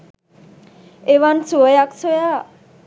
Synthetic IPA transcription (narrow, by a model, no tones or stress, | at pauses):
eʋansuəjaksoja